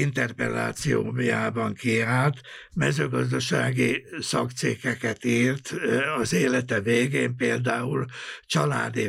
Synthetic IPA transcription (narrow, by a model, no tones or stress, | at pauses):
int̪ɛrpɛ̰lːa̰ːt̪sijo̰ːmjaːbɒŋkiɦaːt̪ | mɛzøːɡɒzd̪ɒʃa̰ːɡisɒkt̪siːkɛkɛt̪iːrt̪ɒzeːlɛt̪ɛveːɡeːmpeːld̪aːult͡ʃɒla̰ːd̪i